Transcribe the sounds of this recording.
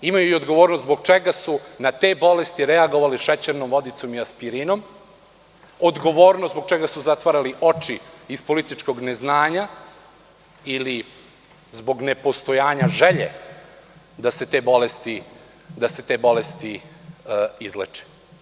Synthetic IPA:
imajuiod̪ɡo̞ʋoːɾnosbo̞ɡ̚t͡ʃeɡasunat̪e̞ːbo̞lest̪iɾeaɡo̞ʋaliʃet͡ɕeɾnomʋo̞d̪it̪so̞miaspiɾino̞m | od̪ɡo̞ʋo̞ːɾnosbo̞ɡ̚t͡ʃeɡasuzat̪ʋaɾaliʔo̞t͡ʃiispo̞lit̪it͡ʃko̞ɡneznaːɲa | ili | zbo̞ɡne̞po̞st̪o̞jaːɲaʒeʎḛ | d̪ase̞t̪e̞ːbo̞lest̪i | d̪ase̞t̪e̞ːbo̞lest̪i | izlḛt͡ʃe̥

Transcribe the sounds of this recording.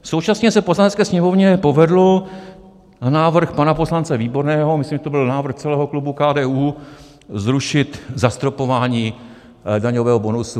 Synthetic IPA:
sowt͡ʃasɲɛsɛposlanɛtt͡skɛːsɲɛmo̞vɲɛpo̞vɛdlo̞ | anaːvr̩xpanapo̞slant͡sɛviːbo̞ɾnɛːɦo̞mɪsliːmʒɛt̪obɪlnaːvr̩xt͡sɛlɛːɦo̞klubukaːdɛːuː | zɾuʃɪt̪zast̪ɾopo̞vaːɲiː | daɲovɛːɦobonusu

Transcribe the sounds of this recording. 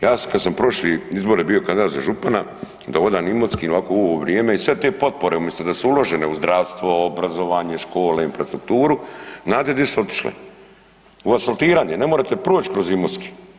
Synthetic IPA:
jaːkad̪sampɾo̞ʃliizbo̞ɾjebio̞kand̪id̪at̪zaʒupana | d̪ao̞d̪aːnimoskiolaːkouoʋoʋɾijeːmeisʋe̞t̪e̞po̞t̪̚po̞ɾe̞umje̞st̪od̪asuulo̞ʒeneuzd̪ɾaːʋst̪ʋo̞obɾazo̞ʋaːɲe̞ʃko̞ːleinɱfɾast̪ɾuk̚t̪uːɾuznaːd̪ed̪iseo̞t̪i̥ʃlḛ | uasalˠt̪iːɾaːɲene̞moɾat̪e̞pɾoːt͡ɕkɾo̞zimot̪ski̥

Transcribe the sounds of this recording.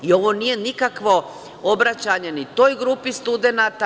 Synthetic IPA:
io̞ʋo̞nije̞nikakʋo̞ | obɾat͡ɕaɲe̞nit̪o̞jɡɾupist̪ud̪e̞nat̪a

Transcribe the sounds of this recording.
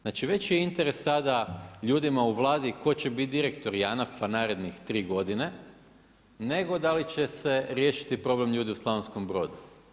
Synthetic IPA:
znaːt͡ʃiʋe̞t͡ɕjeint̪e̞ɾe̞sːad̪aʎuːd̪imauʋlˠaːd̪iko̞t͡ɕe̞bit̪̚d̪iɾe̞kt̪o̞ɾjanafanaːɾe̞d̪nixt̪ɾiːɡo̞d̪ine̞ | ne̞ɡo̞d̪alit͡ɕe̞se̞ɾje̞ːʃi̥t̪ipɾo̞ble̞mʎuːd̪iuslˠaʋensko̞mbɾo̞ːd̪u

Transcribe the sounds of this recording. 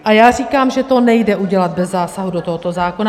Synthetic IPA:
ʔajaːriːkaːmʒɛt̪o̞nɛjdɛʔuɟɛlat̪̚bɛzːaːsaɦudot̪oɦot̪o̞zaːko̞na

